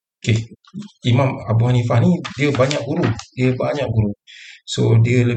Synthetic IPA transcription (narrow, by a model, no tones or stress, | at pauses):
oke | imamabuɦanifanidiəbaɲak̚ɡuɾudiəbaɲak̚buɾusodiələ